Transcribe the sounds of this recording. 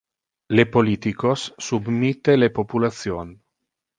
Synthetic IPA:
lepolit̪ikosːubmit̪ːelepopulat̪sjon

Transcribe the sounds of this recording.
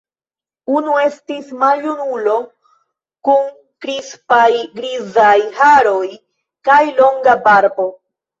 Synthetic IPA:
unue̞stismaljunulo̞ | kun | kɾispajɡɾizajhaɾo̞j | kajlo̞ŋɡabaɾbo̞

